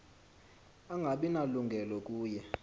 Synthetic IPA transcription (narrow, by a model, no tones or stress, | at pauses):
aŋɡʱaɓinaluŋɡʱɛlɔk̬ʼuːjɛ